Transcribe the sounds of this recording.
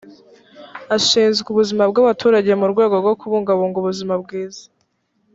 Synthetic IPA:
aʃiːnzɡuβuzimab̚ɡaβatʰuːɾaɟe̞muɾɡwe̞ːɡo̞ɾɡo̞kuβuːŋɡaβuːŋɡuβuzimab̚ɡiːzḁ

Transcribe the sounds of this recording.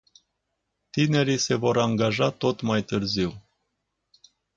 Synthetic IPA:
t̪ine̞ɾise̞vo̞ɾaŋɡaʒat̪ot̪majt̪ɨrziw

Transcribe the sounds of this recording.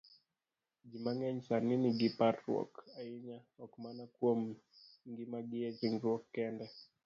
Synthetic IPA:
d͡ʒimaŋɛɲsaniniɡipatɾɔ̰kaiɲaɔkmanakuɔmŋɡimaɡiɛt͡ʃiŋɡɾɔkːɛndɛ

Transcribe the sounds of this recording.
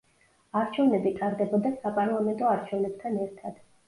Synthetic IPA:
aɾt͡ʃʰɛvnɛbit̪ʼaɾd̪ɛbɔd̪asapʼaɾlˠamɛnt̪ʼɔaɾt͡ʃʰɛvnɛb̚t̪ʰanɛɾt̪ʰad̪̥

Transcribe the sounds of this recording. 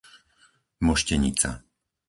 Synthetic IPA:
mɔʃcɛɲḭt͡sa̰

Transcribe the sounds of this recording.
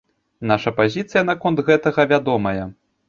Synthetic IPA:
naʂɐpazʲit̪sɨjɐn̪akɔnd̪ɣɛt̪ɐɣɐvʲad̪ɔmɐjɐ

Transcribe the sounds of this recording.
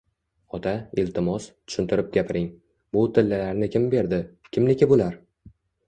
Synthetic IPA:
ɒt̪ʰaɪlt̪ʰɪmɒst̪ʰʊ̥ʃɪnt̪ʰɪɾɪp̚ɡʲapʰɪɾɪŋ | bʊt̪ʰɪlːɪlaɾnɪkʲʰɪmbe̞ɾd̪ɪkʲʰɪmlɪkʲɪbolaɾ

